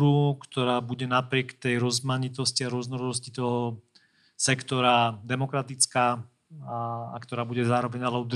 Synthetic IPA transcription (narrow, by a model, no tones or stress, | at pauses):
ɾukt̪ɔɾaːbuɟɛnapɾɪɛkt̪ɛjɾɔzmaɲit̪ɔsciaɾʊɔznɔɾɔd̪ɔs̬cit̪ɔɦɔ | sɛkt̪ɔɾad̪ɛmɔkɾat̪it͡skaː | a̰kt̪ɔɾaːbuɟɛzaːɾɔʋɛɲalɛud̪